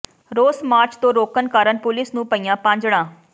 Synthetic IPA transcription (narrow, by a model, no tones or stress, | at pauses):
ɾoːsmaːɾt͡ʃt̪õːɾoːkənkaːɾənpʊlɪsnũːpəiːjãːpãːɲd͡ʒɽãː